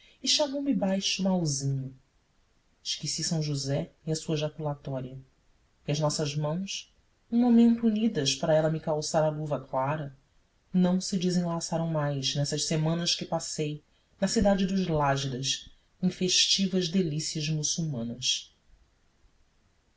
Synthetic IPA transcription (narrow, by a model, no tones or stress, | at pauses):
ɪʃamõw̃mɪbajʃʊmawzĩɲʊ | ɪʃkisisɐ̃w̃ʒuzɛiɐsuɐʒakulat̪ɔɾiɐ | iɐʒnɔsɐʒmɐ̃w̃s | ũmomẽnt̪uunid̪ɐʃpaɾɐɛlɐmɪkawsaɾɐluvɐklaɾɐ | nɐ̃w̃sɪd͡ʒɪzẽlasaɾɐ̃w̃majznɛsɐʃsemɐ̃nɐʃkɪpasej | nɐsid̪ad͡ʒɪd̪ʊʒlaʒid̪ɐʃ | ẽfeʃt͡ʃivɐʒd̪elisiɐzmusuwmɐ̃nɐs